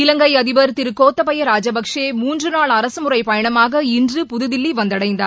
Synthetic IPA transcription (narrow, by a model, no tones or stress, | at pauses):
ɪlɐŋɡɐɪɐðɪʋɐɾt̪ɪɾɯkːoːt̪ːɐpɐjɐɾaːd͡ʒɐbɐkʂeːmuːndrɯnaːɭɐɾɐsɯmɯrɐɪpɐjɐɳɐmaːɣɐɪndrɯpʊðɯðɪlːiʋɐnd̪ɐɽɐɪnd̪ɐ